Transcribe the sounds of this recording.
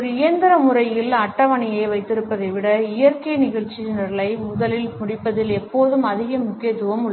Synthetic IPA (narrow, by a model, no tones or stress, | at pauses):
ɔɾɯɪjɐnd̪ɐɾɐmʊrɐjɪlɐʈːɐʋɐɳɪjeːʋɐɪt̪ːɪɾɯpːɐðɐɪʋɪɽɐɪjɐɾkɐɪnɪɣɐɭt͡ʃːid͡ʒɐnɐɾɐɭɐɪmʊðɐlɪlmʊɽɪpːɐðɪlɛpːoːðɯmɐðɪɣɐmʊkːɪjɐt̪ːɯʋɐmɯɭːɐ